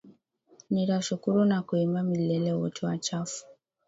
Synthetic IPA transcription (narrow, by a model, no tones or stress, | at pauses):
niɾaʃukuɾunakuimbamilɛlɛwɔ̰tʰɛwat͡ʃafu̥